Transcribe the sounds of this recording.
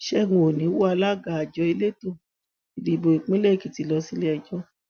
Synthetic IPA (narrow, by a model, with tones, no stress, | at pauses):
ʃɛ˦ŋo˨nĩ˨˦wu˦a˧la˦ɡa˨a˨d͡ʒɔ˧i˧le˦to˦˨ | i˨di˨bo˨i˨k͡pĩ˦lɛ˦˨ki˨ti˨˦lɔ˧si˦le˦ɛ˧d͡ʒɔ˧˦